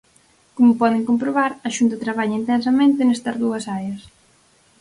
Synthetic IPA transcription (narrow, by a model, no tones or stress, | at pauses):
komʊpɔðeŋkompɾoβaɾɐʃunt̪ɐt̪ɾaβ̞aʎɐint̪ɛnsɐmẽnt̪enɛst̪ɐzðuɐsaɾjɐs